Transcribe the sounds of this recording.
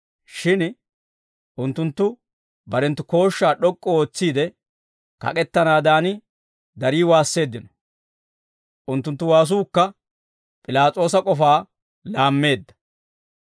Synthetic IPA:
ʃɪn | ʔʊnt̪ːʊnt̪ːʊ | bɐɾɛnt̪ːʊko̞ːʃːaːɗɔkʼːɔoːt͡sːiːd̪ɛ | kɐ̰kʼɛt̪ːɐnaːd̪aːnɪ | d̪ɐɾiːwaːsːe̞ːd̪ːɪnɔ̥ | ʔʊnt̪ːʊnt̪ːʊwaːs̬uːkːɐ | pʼɪlaːt͡sʼo̞ːsɐkʼɔfaː | laːmːe̞ːd̪ːɐ̥

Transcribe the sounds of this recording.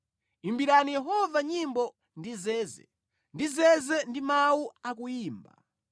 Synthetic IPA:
imbiɾanijɛɦɔvaɲimbɔ | ndizɛːzɛ̰ | ndizɛzɛndimauakujiːmba̰

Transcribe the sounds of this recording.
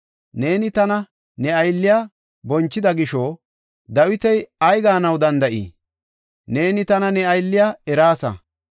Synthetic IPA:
ne̞ːnɪt̪ɐnɐ | nɛɐjlːɪja | bɔnt͡ʃːɪd̪ɐɡɪʃoː | d̪ɐwɪt̪ɛjɐjɡaːnɐwd̪ɐnd̪ɐʔḭː | ne̞ːnɪt̪ɐnɐnɛɐjlːɪjaɛɾaːsɐ̰

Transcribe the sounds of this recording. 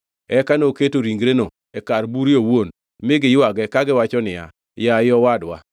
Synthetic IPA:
ɛkanoketoɾiŋɡɾeno | ɛkaɾbuɾjowon | mɪɡɪjʊwaɡɛkaɡɪwat͡ʃɔnɪja̰ | jajɔwadwa̰

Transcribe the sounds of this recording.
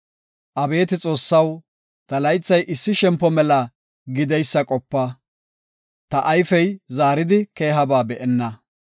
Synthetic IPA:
ʔɐbe̞ːt̪ɪt͡sʼo̞ːsːɐw | t̪ɐlɐjt͡sːɐjʔɪsːɪʃɛmpːɔmɛlɐ | ɡɪd̪ɛjsːɐkʼɔpːɐ | t̪ɐʔajfɛjzaːɾɪd̪ɪke̞ːɦɐbaːbɛʔɛnːɐ

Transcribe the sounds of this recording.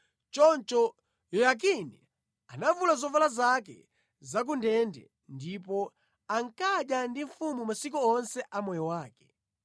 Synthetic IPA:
t͡ʃɔnt͡ʃɔ | jɔjak̬inɛ | anavulazɔvalazakɛ̰ | zak̬undɛndɛ̰ | ndipɔ | aŋkaɗjandiɱfumumasik̬ɔɔnsɛʔamɔjɔwaːkɛ̥

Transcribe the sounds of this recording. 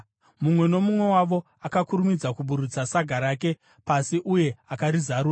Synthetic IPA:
mumwe̞no̞mumwe̞waʋo̞ | akakuɾumid͡zakuɓuɾut͡sasaɡʱaɾaːke̞ | pasiʔuje̞akaɾizaɾuːra

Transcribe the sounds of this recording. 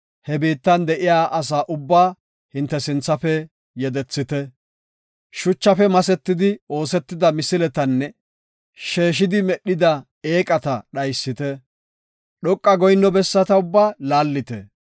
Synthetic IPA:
hɛbiːt̪ːɐnd̪ɛʔɪjaːʔɐs̬aːʔʊbːaː | hɪnt̪ːɛsɪnt͡sːɐfɛ | jɛd̪ɛt͡sːɪt̪ɛ | ʃʊt͡ʃːɐfɛmɐsɛt̪ːɪd̪ɪo̞ːsɛt̪ːɪd̪ɐmɪsɪlɛt̪ɐnːɛ | ʃe̞ːʃɪd̪ɪmɛɗɪd̪ɐ | e̞ːkʼɐt̪ɐɗɐjsːɪt̪ɛ | ɗɔkʼːɐɡɔjnːɔbɛsːɐt̪ɐʊbːaːlaːlːɪt̪ɛ̰

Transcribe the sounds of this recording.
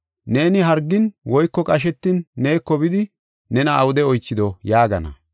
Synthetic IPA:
ne̞ːnɪɦɐɾɡːɪnwɔjkːɔkʼɐʃ̬ɛt̪ːɪnːe̞ːkːɔbɪd̪ɪ | nɛnɐːwʊd̪ɛɔjt͡ʃːɪd̪ɔjaːɡɐnɐ̰

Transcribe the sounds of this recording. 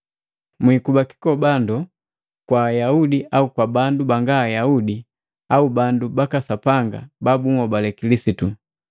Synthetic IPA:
mwikubaki̥kɔbandɔ | kwaːjaudiʔaukwabandubaŋɡaːjaudi | aubandubakasapaŋɡa̰babuŋɔbalɛkilisitu

